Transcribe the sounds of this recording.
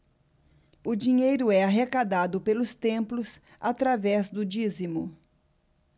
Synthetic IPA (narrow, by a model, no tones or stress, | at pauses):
ʊd͡ʒiɲejɾʊɛaɦekad̪ad̪ʊpelʊst̪ẽmplʊs | at̪ɾavɛzd̪ʊd͡ʒizimʊ